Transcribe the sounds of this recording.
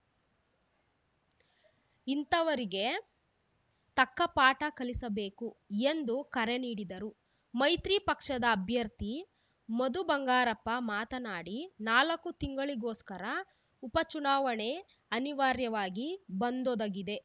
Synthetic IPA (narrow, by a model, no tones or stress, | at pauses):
int̪ɐʋɐɾiɡe̞ | t̪ɐkːɐpaːʈɐkɐlisɐbe̞ːkue̞nd̪ukɐɾe̞niːɽid̪ɐɾu | mɐjt̪ɾiːpɐkʂɐd̪ɐːbʱjɐɾt̪i | mɐd̪ubɐŋɡaːɾɐpːɐmaːt̪ɐnaːɽinaːlɐkːut̪iŋɡɐɭiɡoːskɐɾɐ | upɐt͡ʃunaːʋɐɳe̞ | ɐniʋaːɾjɐʋaːɡibɐnd̪od̪ɐɡid̪e̞